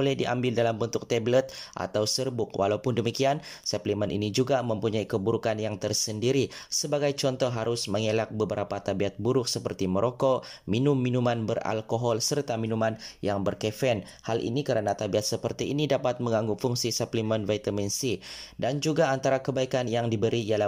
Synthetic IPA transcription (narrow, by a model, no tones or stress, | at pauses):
bolɛhdiʔa̰mbɪldalambənt̪ʊk̚t̪ɛblət̪̚ʔa̰t̪awsərbʊkwʔa̰lawpʊndəmikiansəplimənʔḭnid͡ʒuɡaməmpuɲaikəbuɾukanjaŋt̪ərsəndiɾisəbaɡajt͡ʃɔnt̪ɔɦaɾʊsməŋelak̚bəbəɾapat̪abiat̪̚buɾʊk̚səpərt̪iməɾʔokominʊmːinumanbəra̰lkoɦɔlsərt̪aminumanjaŋbərkefɛn | halʔḭnikəɾənat̪abiat̪̚səpərt̪iːnidapat̪̚məŋaŋɡufuŋsisəplimənvat̪aminsidand͡ʒuɡaːnt̪aɾakəbaikanjaŋdibəɾiiala